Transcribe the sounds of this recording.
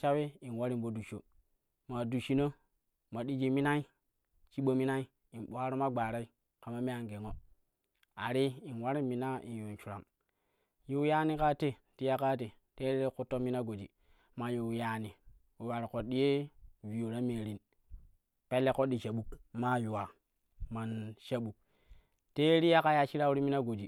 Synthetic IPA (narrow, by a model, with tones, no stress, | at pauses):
t͡ʃa˦we˦i˨nwa˦ɾi˦nɓo˨du˨t͡ʃo̰˨ | ma˨du˨t͡ʃi˨no˦ | ma˨ɗi˦d͡ʒe˨mi˦na˦i˦ | t͡ʃi˦ɓo˨mi˦na˦i˦ | i˨nɓo˨a˦ɾo˦ma˦ɡ͡ba˨ɾa˦i˦ | ka˨ma˦me˦a˦˨ŋɡe˨ŋo˦ | a̰˨ɾi˦i˨nwa˦ɾi˦mi˨na˦ḭ˨njo˨nt͡ʃu˨ɾa̰˨m | ju˦ja˦ni˦ka˦te˦ | ti˦ja˦ka˦te˨ | te˦ɾi˦e˦ku˦to˦mi˦na˦ɡo˨d͡ʒḭ˨ | ma˨ju˨ja˨ni˨ | o˨wa˨ɾi˨ko˨ɗi˦je˦vi˨jo˨ɾa˦meː˨ɾi˨n | pe˦lːe˦ko˦di˨t͡ʃa˨ɓu˦kma˦ju˨wa˨ | ma˨nʃa˦ɓu˨k | te˦ɾi˦ja˦ka˦ja˦t͡ʃi˦ɾa˦u˦ɾi˦mi˦na˦ɡo˨d͡ʒi˨